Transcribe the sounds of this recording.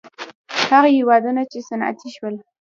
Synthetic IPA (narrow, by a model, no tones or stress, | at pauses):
haɣahewɑd̪unat͡ʃesanʔa̰t̪ʰiʃwəl